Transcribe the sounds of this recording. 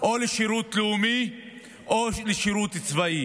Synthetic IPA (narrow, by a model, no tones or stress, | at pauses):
ʔoleʃiɾut̪leumi | oleʃiʁut̪it͡svai